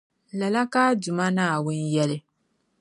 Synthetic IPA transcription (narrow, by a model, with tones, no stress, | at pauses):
lɐ˨la˦kaː˦dʊ˨ma˦naː˦˨wʊ˦njɛ˦lɪ˦